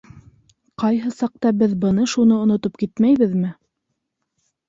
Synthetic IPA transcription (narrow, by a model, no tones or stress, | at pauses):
qɑjɦɤsɑq̚t̪ɑbɘðbɤ̆nɤʃunɤŏnŏt̪opkit̪mæjβɘðmɘ